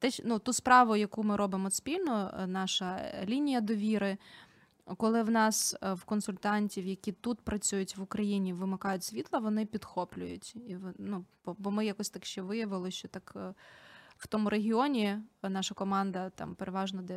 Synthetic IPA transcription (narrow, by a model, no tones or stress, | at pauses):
t̪ɛnut̪uspɾɑʋʊjɐkumɪɾʔɔbɪmɔspʲilʲnɔnɑʃɐlʲinʲijɐd̪ɔʋʲiɾɪ | kɔlˠɪwnɑswkɔnsʊlʲt̪ɑnʲtʲiwjɐkʲit̪ut̪pɾɐt͡sʲujʊtʲʋʊkɾɐjinʲiʋɪmɪkɑjʊtʲsʲʋʲit̪lˠɐʋɔnɪpʲid̪xɔplʲʊjʊtʲiʋnub̥ɔbɔmɪjakɔsʲt̪ɑkʃt͡ʃɛʋɪjɐʋɪlˠɪʃt͡ʃɔt̪ɑk | w̥t̪ɔmʊɾeɦʲɪɔnʲinɑʃɐkɔmɑnd̪ɐt̪ɑ̰mpeɾeʋɑʒnɔd̪ɛ